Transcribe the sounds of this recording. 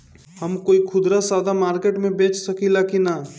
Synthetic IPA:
həmkoːikʰʊd̪ɾasaːd̪amaːɾkeːʈmẽbẽːt͡ʃsəkilakina

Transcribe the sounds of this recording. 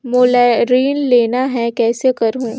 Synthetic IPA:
moːlɛɾiːnleːnaɦɛ̃kɛːsekɐɾɦũː

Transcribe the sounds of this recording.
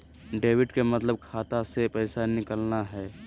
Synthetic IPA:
ɖeːʋɪɖkemət̪ləb̚kʰaːt̪asepɛːɪsanɪkəlnaɦɛː

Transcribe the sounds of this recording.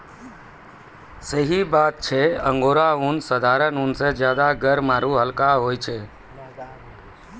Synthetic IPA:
səɦibaːt̪̚t͡ʃʰeə̃ŋɡoːɾaʊnsəd̪ʱaːɾənuːnsẽd͡ʒjaːd̪aɡəɾmaːɾuɦəlkaɦoːit͡ʃʰeː

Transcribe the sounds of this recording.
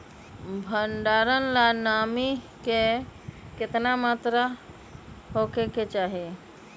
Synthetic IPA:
bʱəɳɖaɾənlanami | ke | kɪt̪namat̪ɾə | ɦokeket͡ʃaɦe

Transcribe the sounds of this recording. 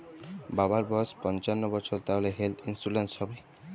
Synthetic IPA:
babaɾbɔspɔnt͡ʃanːɔbɔsʰɔɾt̪aleɦelt̪ʰinsulenshɔbi

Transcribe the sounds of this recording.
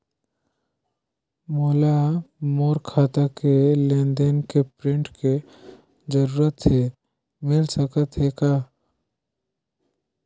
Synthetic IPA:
moːlamoːɾkʰaːt̪akelẽːnd̪enkepɾɪ̃ɳʈke | d͡ʒəɾuːɾət̪se | mɪlsəkət̪ɦeka

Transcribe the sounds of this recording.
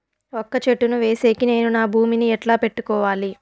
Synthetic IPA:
ɔkːɐt͡ʃeʈːunuʋe̞ːse̞ːkine̞ːnunaːbʱuːminiɛʈlaːpe̞ʈːukɔːʋaːli

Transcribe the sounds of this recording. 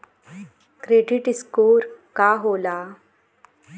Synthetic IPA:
kɾeɖiʈiskoːɾkaɦola

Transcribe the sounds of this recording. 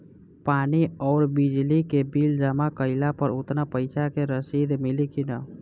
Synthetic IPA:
paːniɔːɾbid͡ʒlikebild͡ʒəmakəɪlapəɾut̪napəɪsakeɾəsid̪milikinə

